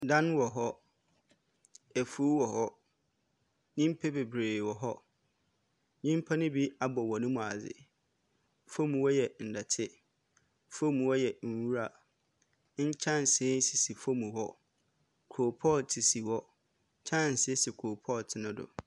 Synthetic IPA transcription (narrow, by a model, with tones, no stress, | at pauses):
dã˦n˦wɔ˨ɦɔ˦ | æ˨fu˦wɔ˨ɦɔ˦ | nĩ˦m˦pʰe˦be˨bɾeː˨wɔ˨ɦɔ˦ | nĩ˦m˦pʰa˦nɪ̃˦bi˦a˨bɔ˨wɔ˨nʊ̃˦mũ˨a˨zɪ̰˨ | fo˦mũ˨wɔ˦jɛ˨n̩˨dɛ˨tʰɪ˦ | fo˦mũ˨wɔ˦jɛ˨n̩˨wu˦ɾa˨ | ɲ̩˦t͡ɕʰã˦n˨sɪ̃˨˦n˦si˨si˨fo˦mũ˨ɦɔ˦ | kʰo˨pʰɔ˦˨tʰi˨si˨wɔ˦ | t͡ɕʰã˦n̩˨sɪ˦sɪ˨kʰɾo˨pʰɔ˦˨tʰɪ˨nʊ̃˦dʊ̰˨